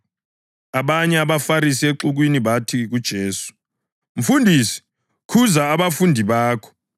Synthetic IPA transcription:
aβaɲɛaβafaɾis̬ieǁuɣ̬winiβatʰiɣud̥ʒ̥ʱeːsu̥ | ɱ̩fundʱiːsi̥ | kʰuzaːβafundʱiβaːkʰɔ̥

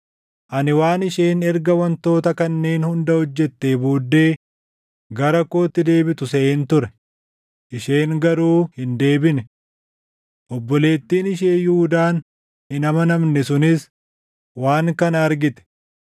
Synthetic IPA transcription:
ʔɐnɪwaːnɪʃe̞ːnɛɾɡɐwɐnt̪o̞ːt̪ɐkɐnːe̞ːnhʊnd̪ɐhɔd͡ʒːɛt̪ːe̞ːbuːd̪ːe̞ː | ɡɐɾɐkoːt̪ːɪd̪e̞ːbɪt̪ʊseʔeːnt̪ʊɾɛ | ʔɪʃe̞ːŋɡɐɾuːhɪnd̪e̞ːbɪnɛ | ʔɔbːɔle̞ːt̪ːiːnɪʃe̞ːjuːd̪aːn | hɪnɐmɐnɐmnɛsʊnɪs | waːŋkɐnɐɐɾɡɪt̪ɛ̥

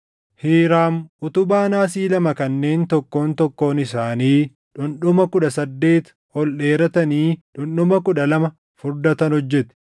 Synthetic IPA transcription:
hiːɾaːmʔʊt̪ʊbaːnaːsiːlɐmɐkɐnːe̞ːnt̪ɔkːo̞ːnt̪ɔkːo̞ːnɪsaːniː | ᶑʊnɗʊmɐkʊᶑɐsɐd̪ːe̞ːt̪ | hɔlᶑeːɾɐt̪ɐniːᶑʊnɗʊmɐkʊᶑɐlɐmɐ | fʊɾd̪ɐt̪ɐnhɔd͡ʒːɛt̪ɪ̥

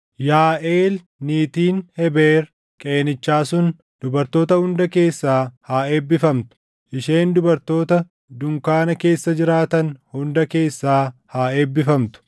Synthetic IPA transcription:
jaːʔeːl | niːt̪iːnhɛbeːɾ | kʼeːnɪt͡ʃːaːsʊn | d̪̥ʊbɐɾt̪o̞ːt̪ɐhʊnd̪ɐke̞ːsːaːhaːe̞ːbːɪfɐmt̪ʊ̥ | ʔɪʃe̞ːnd̪ʊbɐɾt̪o̞ːt̪ɐ | d̪ʊŋkaːnɐke̞ːsːɐd͡ʒɪɾaːt̪ɐnhʊnd̪ɐke̞ːsːaːhaːeːbːɪfɐmt̪ʊ̥

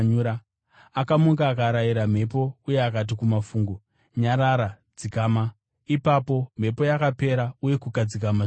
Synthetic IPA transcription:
ɲuɾa | akamuŋɡaːkaɾajiɾam̤e̞po̞uje̞akat̬ikumafuːŋɡu | ɲaɾaɾa | d͡zikama | ipapo̞m̤e̞po̞jakape̞ɾauje̞kukad͡zikama

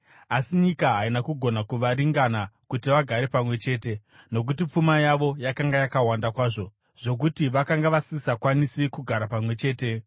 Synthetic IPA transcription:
asiɲikaɦainakuɡʱo̞nakuʋaɾiŋɡanakutiʋaɡʱaɾe̞pamwe̞t͡ʃe̞ːte̞ | no̞k̬utip͡fumajaʋo̞jakaŋɡajakawandakwaːʐo̞ | ʐ̥o̞k̬utiʋakaŋɡaʋasisakwanisikuɡʱaɾapamwe̞t͡ʃe̞ːte̞

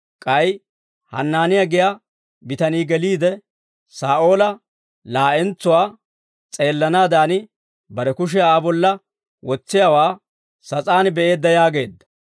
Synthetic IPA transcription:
kʼɐj | hɐ̰nːaːnɪjaɡɪja | bɪt̪ɐniːɡɛliːd̪ɛ | saːʔo̞ːlɐ | laːʔɛnt͡sːʊwaː | t͡sʼe̞ːlːɐnaːd̪aːnɪ | bɐɾɛkʊʃ̬ɪjaːbɔlːɐ | wɔt͡sːɪjawaː | sɐt͡sʼaːnbɛe̞ːd̪ːɐjaːɡe̞ːd̪ːɐ̥

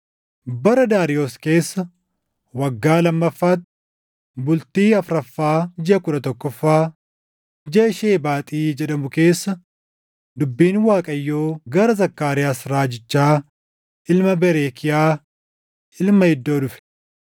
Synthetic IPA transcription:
bɐɾɐd̪aːɾɪjoːske̞ːsːɐ | wɐɡːaːlɐmːɐfːaːt̪ | bʊlt̪iːɐfɾɐfːaːd͡ʒɪʔɐkʊᶑɐt̪ɔkːɔfːaː | d͡ʒeːʃeːbaːt̪ʼiːd͡ʒɛɗɐmʊke̞ːsːɐ | d̪ʊbːiːnwaːkʼɐjːoːɡɐɾɐzɐkːaːɾɪjaːsɾaːd͡ʒɪt͡ʃːaː | ʔɪlmɐbɛɾeːkʰɪjaː | ʔɪlmɐhɪd̪ːo̞ːd̪ʊfɛ̥

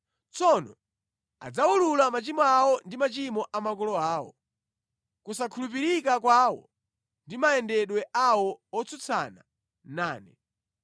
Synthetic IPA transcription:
t͡sɔnɔ | a̰d͡zaululamat͡ʃimɔawɔndimat͡ʃimɔʔamakɔlɔaːwɔ̰ | kusakʰulup̬iɾikak̬waːwɔ̰ | ndimaɛndɛɗwɛʔawɔɔt͡sʰut͡sʰa̰na̰ | naːnɛ

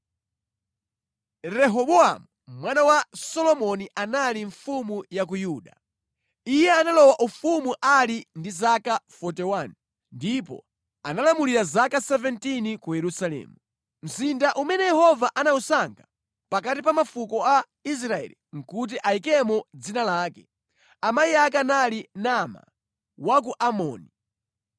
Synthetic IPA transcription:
ɾɛɦɔɓɔa̰mumwanawasɔlɔmɔniʔanaliɱfumujak̬ujuːɗa̰ | ijɛanalɔwaʔufumuʔalindizakafɔtɛwani | ndipɔ̰ | analamuliɾazakasɛvɛntinikujɛɾusalɛ̰ːmu | m̩zindaʔumɛnɛjɛhɔvaʔanausaŋɡa | pakatipamafukɔa | is̬ɾaɛ̰liŋ̩kut̬iʔaikɛmɔd͡zinalaːkɛ | amaiak̬analinama̰ | wak̬uʔamɔ̰ːni

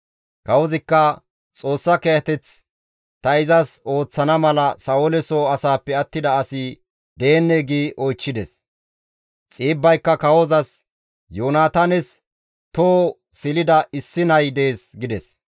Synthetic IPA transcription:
kɐwɔzɪkːɐ | t͡sʼo̞ːsːɐkejɐt̪ɛt͡s | t̪ɐɪzɐso̞ːt͡sːɐnɐmɐlɐsɐolɛsoɐsaːpːɛɐt̪ːɪd̪ɐːsɪ | d̪e̞ːnːɛɡiːʔɔjt͡ʃːɪd̪ɛs | t͡sʼiːbːɐjkːɐkɐwɔzɐs | joːnaːt̪anɛs | t̪oː | sɪlɪd̪ɐɪsːɪnɐjd̪eːsɡɪd̪ɛs

